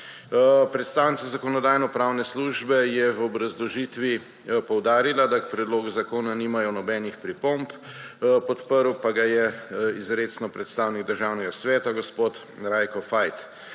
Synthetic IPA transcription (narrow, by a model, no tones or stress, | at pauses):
pɾɛt̪st̪aːwnit̪t͡s̪azakɔnɔd̪aːjnɔpɾaːwnɛsluʒbɛjɛvɔbɾazlɔʒit̪ʋi | pɔwd̪aːɾilad̪akpɾɛd̪loːɡuzakoːnaniːmajɔnɔbɛːnixpɾipomppɔt̪pəɾwpaɡajɛizɾeːt̪snɔpɾɛt̪st̪aːwniɡd̪əɾʒaːwnɛɡasʋɛːt̪aɡɔspot̪ | ɾajkɔfajt̪